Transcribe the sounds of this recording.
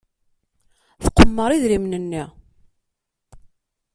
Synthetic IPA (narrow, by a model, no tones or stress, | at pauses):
θqːəmːəɾˤiðɾimnənːi